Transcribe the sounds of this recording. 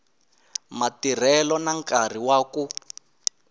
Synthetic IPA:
matir̤ɛlɔnaŋkar̤iwaːku

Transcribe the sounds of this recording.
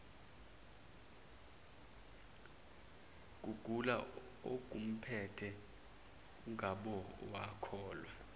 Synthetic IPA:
k̬ʼuɡ̥ʱula | ok̬ʼum̩pʰɛtʰɛ | k̬ʼuŋʱaɓɔwakʰɔːlwɛ

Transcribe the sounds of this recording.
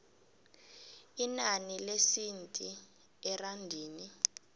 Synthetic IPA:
inanilesintʼi | ɛrandʱiːni

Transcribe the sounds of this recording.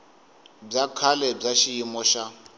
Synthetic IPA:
b͡ʐakʰalɛb͡ʐaʃijimɔʃa

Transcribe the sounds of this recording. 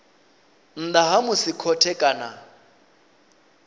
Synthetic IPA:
n̩d̪aɦamʊsikʰɔtʰɛkʼana

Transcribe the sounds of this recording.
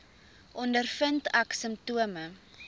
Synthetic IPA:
ʔɔndərfəntɐksəmptuəmə

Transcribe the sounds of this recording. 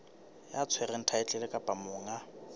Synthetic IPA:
jat͡sʰwɛrɛn̩tʰaɪt͡ɬʼɛlɛkʼapʼamʊːŋa

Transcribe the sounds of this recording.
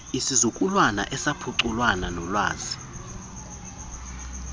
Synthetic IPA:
isizukʼulwana̰ʔɛsapʰuǀulwananɔlwaːzi

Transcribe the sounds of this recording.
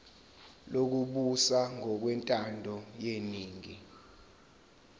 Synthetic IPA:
lok̬uɓusaŋʱɔk̬wɛntʼandʱɔjeniːŋi

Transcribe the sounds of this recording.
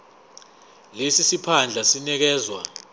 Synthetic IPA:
lesisipʰand͡ɮʱasinɛk̬ɛːzwa

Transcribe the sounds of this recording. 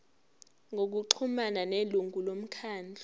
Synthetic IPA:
ŋʱok̬uǃʰumananeluŋʱulom̩kʰaːnd͡ɮʱa

